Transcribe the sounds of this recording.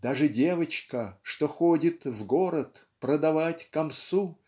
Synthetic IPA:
d̪aʐɨdʲe̞vət͡ɕkəʂt̪oxodʲɪt̪vɡoɾət̪ | pɾəd̪ɐvatʲkɐmsu

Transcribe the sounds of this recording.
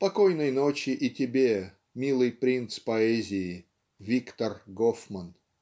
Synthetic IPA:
pɐkojnəjnot͡ɕɪʔɪtʲɪbʲe | mʲilˠɨjpɾʲint̪spɐɛzʲɪjɪ | vʲikt̪ərɡofmən

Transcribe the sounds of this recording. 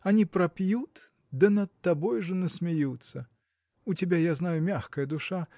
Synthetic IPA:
anʲipɾɐpʲjut̪ | d̪ɐnɐt̪ːabɔjʐɐnɐsʲmʲajut̪sːɐ | ut͡sʲabʲajaznajumʲaxkɐjɐd̪uʂa

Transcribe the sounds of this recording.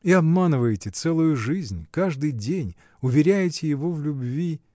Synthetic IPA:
iɐbmanɨvəjɪtʲɪt̪sɛlˠʊjʊʐɨzʲnʲkaʐd̪ɨjdʲenʲ | ʊvʲɪɾʲæjɪtʲɪjɪvovlʲʊbvʲi

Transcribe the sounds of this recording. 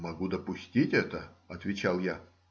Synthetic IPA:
mɐɡud̪əpʊsʲtʲitʲɛt̪əɐt̪vʲɪt͡ɕalˠja

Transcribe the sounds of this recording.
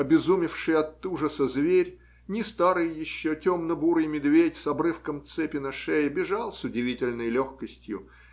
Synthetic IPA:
ɐbʲɪzumʲɪfʂɨjɐt̪ːuʐəsəzvʲeɾʲ | nʲɪst̪aɾɨjjɪɕːotʲomnəbuɾɨjmʲɪd̪vʲetʲsɐbɾɨfkəmt̪sɛpʲɪnəʂɛjəbʲɪʐalˠsʲʊdʲɪvʲitʲɪlʲnəjlʲoxkəsʲtʲjʊ̰

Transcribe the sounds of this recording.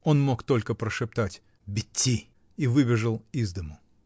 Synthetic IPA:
o̞nmo̞kt̪o̞lʲkəpɾəʂɨp̚t̪atʲ | bʲɪtʲːi | ivɨbʲɪʐəlˠizd̪əmʊ

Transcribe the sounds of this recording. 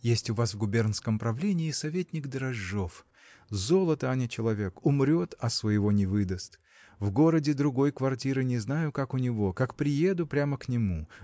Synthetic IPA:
jesʲtʲʊvasvɡʊbʲe̞rnskəmpɾɐvlʲenʲɪːsɐvʲetʲnʲɪkd̪əɾɐʐːof | zo̞lˠət̪əanʲɪt͡ɕɪlˠɐvʲe̞kʊmɾʲo̞t̪ɐsvəjɪvo̞nʲɪvɨd̪əst̪ | vɡo̞ɾədʲɪd̪ɾʊɡo̞jkvɐrtʲiɾɨnʲɪznajʊkakʊnʲɪvo̞kakpɾʲɪje̞d̪ʊpɾʲaməknʲɪmu

